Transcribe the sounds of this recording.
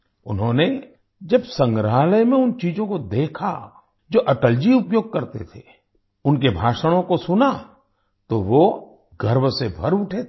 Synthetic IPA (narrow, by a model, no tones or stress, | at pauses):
ʊ̰nɦõne | d͡ʒɐbsə̃ŋɡɾaːləjmẽʊnt͡ʃiːzõkod̪eːkʰa | d͡ʒoːʔɐʈəld͡ʒiʊpjoːɡ̚kɐɾt̪ḛt̪ʰe | ʊnkebʱaːʃəɽ̃õkosʊna | t̪oʋo | ɡʱəɾʋsebʱɐɾʊʈʰet̪